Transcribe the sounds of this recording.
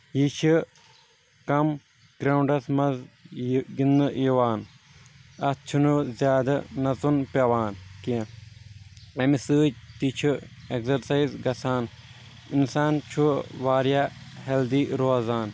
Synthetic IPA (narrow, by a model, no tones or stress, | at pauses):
jit͡ʃʰi | kɐm | ɡ̥ɾɐwɳɖɐsmɐz | ɡinɨjiʋaːn | ɐst͡ʃʰunuzʲjaːd̪ɐnɐt͡sunpʲɐʋaːnkĩ | ɐmisɨːd͡ʒt̪it͡ʃʰueksɐɾsɐizɡɐsaːn | insaːnt͡ʃʰuʋaːɾjaheld̪iːɾoːzaːn